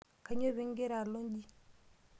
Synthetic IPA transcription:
ka˨ɲo˦βi˦ŋɡe˦ɾa˨lo˦ɲd͡ʒi˦

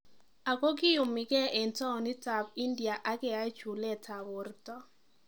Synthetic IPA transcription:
a˨kɔ˦kɪ˦jʊ˨mːɪ˨ɡɛ˦ʔɛ˨ntɔ˦˨ni˦ta˨bi˦ndja˨ʔa˦kɛ˨a˦t͡ʃu˨lɛ˦ta˨bʊ˨˦rtɔ˦

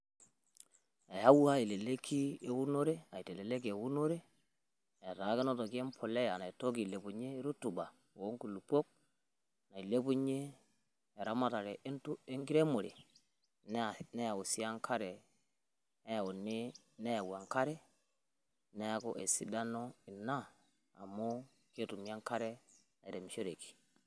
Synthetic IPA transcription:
e˨ja˦wu˦a˦i˨le˨le˦kʰi˦e˨wu˦no˦ɾe˦a˨i˨te˨le˨le˦k̬i˨e˨wu˦no˦ɾe˦ | e˨ɾa˨˦ke˦no˦to˨ki˦e˦mpʰo˨le˦ja˨na˨i˨to˦ki˨le˨bu˨ɲe˦ɾu˦tu˨ba˨ | wo˦ŋku˨lu˨po˦k̚ | na˨i˨le˦bu˦ɲeː˦˨ | ɾa˦ma˦ta˨ɾe˨ʔntu˦e˦ŋɡi˦ɾe˦mo˨ɾḛ˨ | nne˦ja˨wu˨si˦ja˦ŋkʰa˦ɾe˨ | ne˦jo˨nːi˦ | ne˦ja˨wa˨ŋka˦ɾe˦ | ne˦a˦ko˦ʔe˨sḭ˦da˦no˦i˨na̰ː˦˨ | mːo˦ | ke˦tu˨mi˦a˦ŋka˦ɾe˦ | na˨i˨ɾe˨m˨ʃo˦ɾe˨ki̥˨

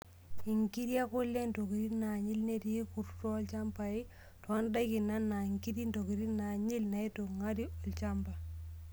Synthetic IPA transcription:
i˨ŋki˦ɾi˦a˦kʊ˦lːe˦ndo˨ki˨ɾi˦na˨ɲi˦lne˦ɾi˦ku˨ɾtɔ˦lt͡ʃa˦mpai˦ | tɔ˨a˦nda˦ki˨na˦nːa˨iŋki˦ɾi˦ndo˨ki˨ɾi˦na˨ɲi˦lna˨i˦to˨ŋa˦ɾi˦ɔ˨lt͡ʃa˦mba˨

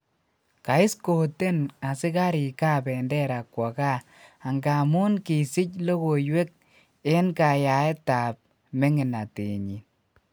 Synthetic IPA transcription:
ka˨ɪ˦sko˨te˦na˨sɪ˦ka˦ɾi˨ka˦pɛ˨ndɛ˦ɾa˨kːwɔ˨ka˦ | a˨ŋɡa˨mu˦nki˨sɪ˦clo˦ko˨jwe˦k̚ | e˦nka˨ja˨ɛ˦ta˨p̚ | me˦ŋɪ˨na˨tḛ˨ɲi˨n

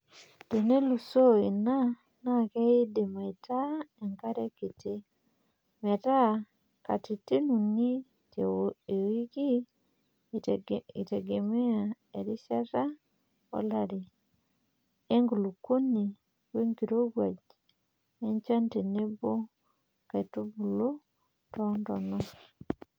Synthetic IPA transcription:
te˨ne˦lu˨so˦i˨na˦ | na˦˨ke˦i˦de˨ma˨i˨tʰa˦e˨ŋka˦ɾɛ˦ki˨te˦ | me˨ta˦˨ | ka˨ti˨te˦nu˨ni˦ | te˨e˨wi˦ɡi˦ | i˨te˨ɡe˨me˦a˨ | eɾi˦sa˦ta˦ | o̰˦laɾi | eŋɡulu˨ku˦ni˨ | we˦ŋɡiɾo˦βwa˨ɟ | e˦ɲt͡ʃa˦nte˨ne˦bo˦ | kaitu˦βulu˦ | tɔndɔnɔ

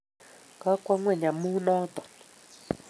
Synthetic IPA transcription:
ka˦kwa˦ŋwɛ˨ɲa˨mu˦nɔː˦t̪ɔ̥˨

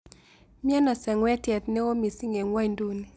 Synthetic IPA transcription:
mja˦na˨sɛ˨ŋwɛ˦tjɛ˨t̪nɛ˦o˦mi˨si˦ŋe˨ŋwa˦jndu˦ni˨

